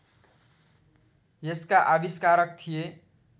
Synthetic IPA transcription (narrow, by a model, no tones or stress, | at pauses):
jeskaʔabiskaɾʌk̚t̪ʰije